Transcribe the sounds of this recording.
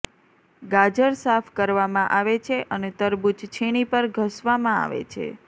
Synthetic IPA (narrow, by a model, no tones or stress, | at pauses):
ɡad͡ʒəɾsafkəɾʋamãʔaʋet͡ʃʰeʔənet̪əɾbud͡ʒt͡ʃʰeɽ̃ipəɾɡʱəsʋamãa̰ʋḛt͡ʃʰḛ